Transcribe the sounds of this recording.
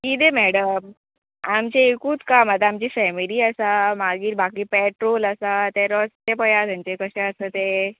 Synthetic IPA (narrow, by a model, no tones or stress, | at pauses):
kid̪emɛɽəm | amt͡ɕeekũːt͡skamət̪aamt͡ɕifɛmiliːəsamaɡiːɾbakiːpɛʈɾoləsat̪eɾɔst̪epəjat̪jãɲt͡ɕekəɕɛ̃əsət̪e